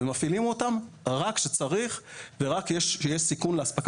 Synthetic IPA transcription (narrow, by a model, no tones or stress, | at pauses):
mafilimo̞tam | ʁakʃet͡saʁiχveʁakjeʃjeʃsikunleaspak